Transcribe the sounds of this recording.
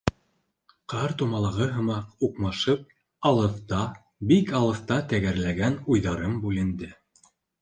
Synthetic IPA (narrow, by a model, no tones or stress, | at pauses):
qʰɑɾt̪umɑlˠɑʁɤɦɤ̆mɑquqmɑʃɤp̚ | ɑlˠɤ̆θt̪ɑ | bikɑlˠɤ̆θt̪ɑt̪æɡæɾlæɡænujðɑɾɤmbʉlɘ̆nd̪ɘ